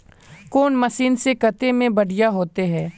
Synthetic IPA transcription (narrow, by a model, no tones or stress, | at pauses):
koːnmɐsiːnsekɐt̪emẽbɐɽ̤ijaɦoːt̪eɦɛ̃ː